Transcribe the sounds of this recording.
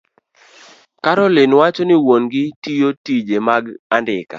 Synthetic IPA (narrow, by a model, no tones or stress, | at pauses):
kaɾɔlenwat͡ʃɔnɪwonɡɪtijotid͡ʒemaɡandɪ̰ka̰